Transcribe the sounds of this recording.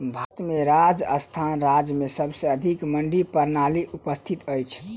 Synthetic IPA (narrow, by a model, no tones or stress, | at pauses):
bʱət̪meɾad͡ʒə̰st̪ʰanɾad͡ʒmesəbsə̃əd̪ʱikməɳɖipəɾnaliʔupəst̪ʰit̪əjt͡ʃʰ